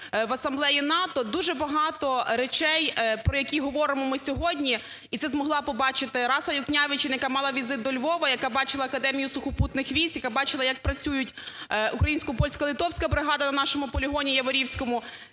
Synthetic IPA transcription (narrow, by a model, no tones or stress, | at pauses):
ʋɐsɐmblˠɛjinɑt̪ɔd̪uʒɛbɐɦɑt̪ɔɾet͡ʃɛjpɾɔjɐkʲiɦɔʋɔɾɪmɔmɪsʲɔɦɔdʲnʲi | it̪ɛzmɔɦlˠɑpɔbɑt͡ʃɪt̪ɪɾɑsɐjʊknʲaʋɪt͡ʃɪnɐjɐkamɑlˠɐʋʲizɪt̪̚d̪ɔlʲʋɔʋɐjɐkabɑt͡ʃɪlˠɐɐkɐd̪ɛmʲijʊsʊxɔput̪nɪxʋʲisʲjɐkabɑt͡ʃɪlˠɐjɐk̚pɾɐt͡sʲujʊtʲukɾɐjinʲsʲkʊpɔlʲsʲkɐlˠɪt̪ɔwsʲkɐbɾɪɦɑd̪ɐnɐnɑʃɔmʊpɔlʲiɦɔnʲijɐʋɔɾʲiwsʲkɔmʊ